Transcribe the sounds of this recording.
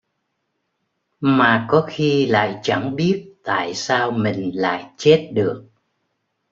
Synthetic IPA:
maː˨˩kɔ˨˦xi˧la̰ː˧˨jt͡ɕa˧˩ŋɓi˦˥ət̚t̪a̰ː˧˨jsaː˧wmï˨˩ŋ̟la̰ː˧˨jt͡ɕe˦˥t̚ɗɨ˨˩ək̚

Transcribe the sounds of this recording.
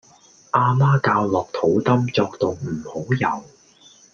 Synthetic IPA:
ʔaː˧maː˥kaː˧wlɔː˨k̚t̪ʰo˨˥wt̪ɐ˥mt͡sɔː˧k̚t̪o˧wm̩˨˩ho˨˥wjɐ˨˩w

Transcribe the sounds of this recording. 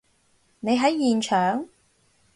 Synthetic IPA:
ne˨˧jɦɐ˨˥jːiː˨˩nt͡ʃʰœː˨˥ŋ

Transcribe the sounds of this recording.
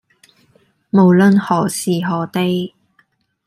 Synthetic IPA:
mo˨wlɵ˧nhɔː˨˩siː˨˩ɦɔː˨˥t̪e˧˥j

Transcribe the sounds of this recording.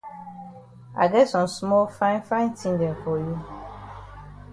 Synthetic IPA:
a̰˨ɡɛ˦tsɔ̃˨msmɔ˦lfã˦ɪ̃˦nfã˦ɪ̃˦ntʰĩ˦ŋdɛ̃˨fɔ˨ju˦

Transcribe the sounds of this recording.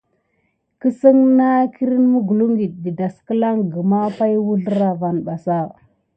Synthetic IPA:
kə˦sə˦ŋna˦ki˦ɾi˦nmu˦ɡu˨lu˦ŋɡi˨ɗ̚di˨da˨skə˦la˦ŋɡə˨ma˦pa˦jwu˦ɮə˦ɾa˨va˨nɓa˨sa˦˨

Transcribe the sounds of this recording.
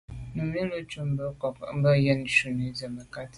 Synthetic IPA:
m̩˨mi˦lo˦t͡ʃu˦m̩˦bə˦kɔ˨km̩˦bə˦jə˦n˨ʃu˨ne˨˦zə˨mə˨ka˦t

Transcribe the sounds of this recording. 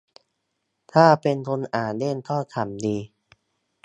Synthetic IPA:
t̪ʰaː˥˩pe˧nt̪ʰo˧nʔaː˨˩nde˥˩˨nt̪ʰɔː˥˩k̪ʰa˨˩mdiː˧

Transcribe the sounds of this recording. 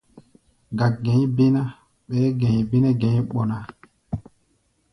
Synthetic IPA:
ɡa˨ɡẽ˨˦ɲ˦be˦na˦ | ɓɛː˨˦ɡɛ̃˨be˦nɛ˦ɡẽ˨˦ɓɔ˨na˨

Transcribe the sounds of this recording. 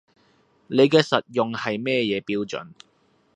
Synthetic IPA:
ne˨˧jkɛː˧sɐ˨t̚jʊ˨ŋhɐ˨jmɛː˥˧jɛː˨˧piː˧˥wt͡ʃɵ̰˨˧˥n

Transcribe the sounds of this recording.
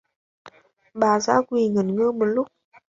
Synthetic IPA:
ɓaː˨˩zaː˧˥kwi˧˩ŋə˨˩nŋɨ˧mo˨˩t̚lʊ˦˥k͡p̚

